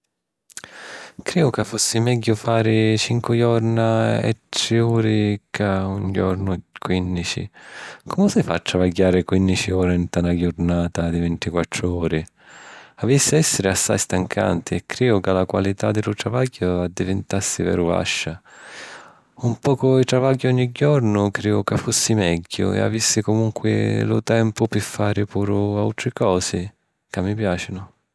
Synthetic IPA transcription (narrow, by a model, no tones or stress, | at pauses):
kɾɛːʊkafːusːimɛɟːʊfaːɾɪt͡ʃiŋkʊjɔɾnaɛ̰t̪ːɾɪuːɾɪkauɲd͡ʒɔɾnʊkwinːit͡ʃḭkʰɔmʊsɪfa̰t̪ːɾavaɟːaːɾɪkwinːit͡ʃiɔːɾaint̪anaɡʊɾnaːt̪ad̪ivɛnt̪ikwat̪ːɾʊɔːɾɪ | avisːɪɛsːɪɾɪasːa̰jst̪aŋkʰa̰nt̪ʰɪɛkːɾɛːʊkalakwalit̪ad̪ːɪlʊt̪ɾavaɟːʊad̪ːivɪnt̪asːɪvɛ̰ːɾʊva̰ʃːa | umpɔːkʊit̪ɾavaɟːɔɲːiɟːɔɾnʊkɾiːʊkafːusːimɛɟːʊ̰ɛ̰a̰visːɪkʊmuŋkʰwɪ̰lʊ̰t̪ɛmpʊpɪfːaːɾɪpuːɾʊawt̪ɾɪkɔːsɪ | kamːipjaːt͡ʃɪnʊ